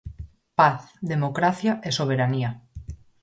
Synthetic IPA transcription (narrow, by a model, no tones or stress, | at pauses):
paθðemokɾaθjaʔesoβ̞eɾania